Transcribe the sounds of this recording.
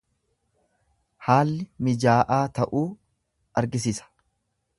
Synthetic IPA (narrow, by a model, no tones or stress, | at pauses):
haːlːɪmɪd͡ʒaːʔaːt̪ɐʔuː | ɐɾɡɪs̬ɪsɐ̥